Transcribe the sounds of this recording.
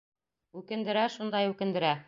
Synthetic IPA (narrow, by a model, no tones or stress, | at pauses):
ʉkɘ̆nd̪ɘ̆ɾæʃund̪ɑjʉkɘ̆nd̪ɘ̆ɾæ